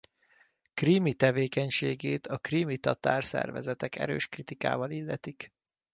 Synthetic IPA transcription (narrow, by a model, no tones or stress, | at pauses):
krimit̪ɛveːkɛɲʃeːɡeːt̪ɒkrimit̪ɒt̪aːrsɛ̰rvɛzɛt̪ɛkɛ̰ɾøːʃkrit̪ika̰ːvɒlilːɛt̪ik